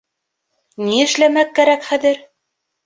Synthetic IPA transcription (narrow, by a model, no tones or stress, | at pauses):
niɘ̆ʃlæmækːæɾækχæðɘɾ